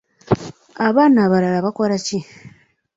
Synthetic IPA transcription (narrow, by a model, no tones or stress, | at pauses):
aβaːnaːβalalaβako̞ɾaci